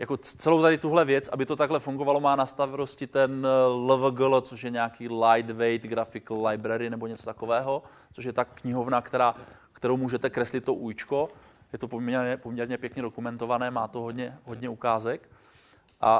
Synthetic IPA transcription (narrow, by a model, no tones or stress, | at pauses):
jako̞t͡sɛlowt̪adɪt̪uɦlɛvjɛt͡sʔabɪt̪ot̪aɡɦlɛfuŋɡo̞valo̞maːnast̪avɛlo̞scɪt̪ɛnlɛvɡlt͡soʃjɛɲɛakiːlajd̪vɛjt̪ɡɾafɪklajbɾɛɾɪnɛbo̞ɲɛt͡so̞t̪ako̞vɛːɦo̞ | t͡soʃ̬jɛt̪akɲɪɦo̞vnakt̪ɛɾaːkt̪ɛɾowmuːʒɛt̪ɛkɾɛslɪt̪ːoʔuːjt͡ʃko̞ | jɛt̪o̞pomɛɾɲɛpomɲɛɾɲɛpjɛkɲɛdokumɛnt̪o̞vanɛːmaːt̪oɦod̪ɲɛɦo̞d̪ɲɛukaːzɛk | ʔa